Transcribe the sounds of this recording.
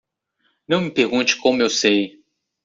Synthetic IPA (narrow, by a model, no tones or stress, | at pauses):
nɐ̃w̃mɪpeɾɡũnt͡ʃɪ̥kõmʊewsej